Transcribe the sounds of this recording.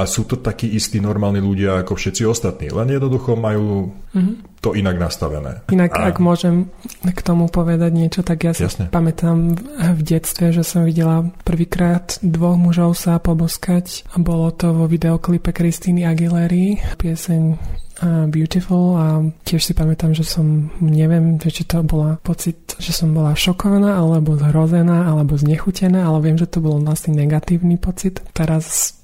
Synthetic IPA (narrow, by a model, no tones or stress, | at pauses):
asuːt̪ɔt̪akiːʔist̪iːnɔɾmaːlniluɟɪaːkɔfʃɛt̪siɔst̪at̪nḭːlɛnjɛd̪nɔd̪uxɔmajuːɦ̩ | t̪ɔʔinaɡnast̪aʋɛ̰nɛ̰ːinakaɡmʊɔʒɛmkt̪ɔmupɔʋɛd̪aɟɲɪɛt͡ʃɔt̪aɡjasjiasɲɛpamɛt̪amvɟɛt͡st̪ʋɛʒɛsɔmʋiɟɛlapr̩ʋiːkɾaːd̪d̪ʋɔɣmuʒɔʊsapɔbɔskacbɔlɔt̪ɔʋɔʋid̪ɛɔklipɛkɾist̪iːniaɡilɛɾipɪɛsɛɲ | bjut̪ifulacɪɛʃsipamɛt̪amʒɛsɔmɲɛʋɪɛmʒɛt͡ʃit̪ɔbɔlapɔt͡sit̪ʒ̥ɛsɔmbɔlaʃɔkɔʋanaːalɛbɔzɦɾɔzɛnaːalɛbɔzɲɛxucɛnaːalɛʋɪɛmʒɛt̪ɔbɔlɔlasɲɛnɛɡat̪iːʊnipɔt͡sit̪t̪ɛɾas